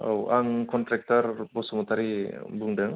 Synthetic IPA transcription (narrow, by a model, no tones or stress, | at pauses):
a̰waŋkɔntɾek̚taɾbɔsɔmɔt̪aɾibuŋdaŋ